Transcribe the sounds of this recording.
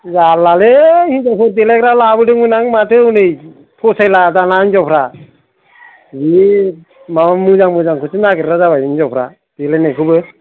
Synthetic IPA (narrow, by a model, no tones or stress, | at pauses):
zalaleind͡ʒapʰɯɾdeleɡɾalabɯdɯŋmɯnaŋmatʰɯunɯj | pʰɔsajlazanainzɔpʰɾa | zi | mamamɯzaŋmɯzaŋkʰɯsɯnaɡɯɾɾazabajɯnzɔwpʰɾa̰ | d̥elenajkʰɯbɯ